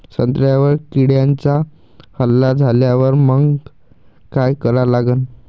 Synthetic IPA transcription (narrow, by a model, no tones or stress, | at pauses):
sənt̪ɾjaʋəɾkiɽjant͡sa | həlːad͡zʱaljaʋəɾməɡ | kajkəɾalaɡən